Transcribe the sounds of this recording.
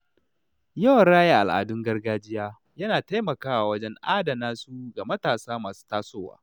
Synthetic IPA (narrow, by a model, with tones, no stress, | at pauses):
jɐ˦wɐ˨nɽaː˦jeː˦ʔa̰˨lʔa̰ː˨dʊ˦ŋɡɐ˦rɡaː˦d͡ʒɪ˦jaː˦ | jɐ˦naː˨ta˦jmɐ˨kaː˦wa˨wɐ˦d͡ʒɛ˦ŋʔaː˦da˨naː˦suː˦ɡa˨mɐ˦taː˨saː˦maː˨su̥˦taː˦soː˦wa̰ː˦